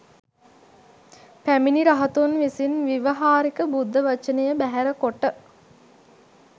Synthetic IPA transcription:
pæminiɾaɦɐt̪unʋisinʋiʋəɦaːɾikəbud̪ʱːəʋɐt͡ʃənəjəbæɦæɾəkoʈə

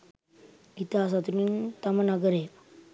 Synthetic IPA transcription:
it̪asat̪unint̪amənaɡəɾe

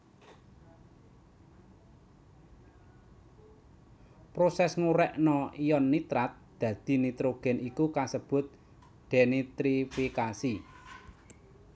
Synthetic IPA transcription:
pɾosɛsŋuɾɛʔnɔijɔnːit̪ɾat̪̚d̪̥ä̤d̪̥i̤nit̪ɾoɡ̥ɛ̤nikukasəb̥ʊ̤t̪̚ | ɖ̪̥enit̪ɾifikasi

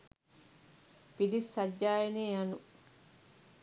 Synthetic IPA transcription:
pidisːaɟːaːjeneːjanu

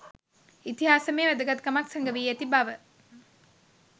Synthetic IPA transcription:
it̪iɦaːsəmeːʋæd̪əɡat̪̚kəmaksəŋɡəʋiːæt̪ibaʋə

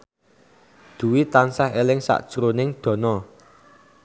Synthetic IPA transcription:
d̪̥ṳwit̪ansahelɪŋsa̰ʔd̥ʒ̥ɾonɪŋd̪̥ɔ̤nɔ

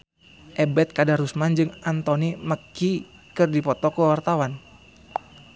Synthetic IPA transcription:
ʔɛbɛt̪̚kadaɾusmand͡ʒɨŋant̪oniməki | kɨrdipɔt̪ɔkəwart̪awan

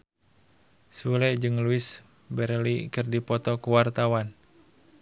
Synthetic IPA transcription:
sulɛd͡ʒɨŋluis | bɛrlikɨrdipɔt̪ɔkuwart̪awan

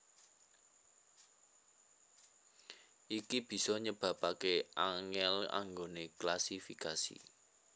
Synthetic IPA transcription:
ʔikib̥i̤sɔɲəb̥ä̤pakeʔaŋɛla̰ŋɡoneklasifikasḭ

